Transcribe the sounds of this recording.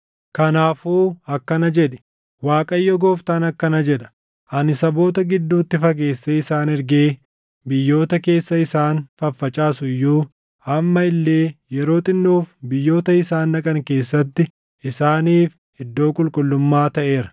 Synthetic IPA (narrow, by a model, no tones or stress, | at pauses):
kɐnaːfuːɐkːɐnɐd͡ʒɛᶑɛ̥ | waːkʼɐjːɔɡoːft̪ɐnɐkːɐnɐd͡ʒɛᶑɐ̥ | ʔɐnɪsɐbo̞ːt̪ɐɡɪd̪ːuːt̪ːɪfɐk̬e̞ːsːeːɪsaːnɪɾɡe̞ː | bɪjːo̞ːt̪ɐke̞ːsːɐɪsaːnfɐfːɐt͡ʃʼaːsʊɪjːuː | ɐmːɐɪlːe̞ːjɛɾo̞ːt̪ʼɪnːoːfbɪjːo̞ːt̪ɐɪsaːnːɐkʼɐŋke̞ːsːɐt̪ːɪ | ɪsaːniːf | hɪd̪ːo̞ːkʼʊlkʼʊlːʊmːaːt̪ɐʔe̞ːɾɐ̥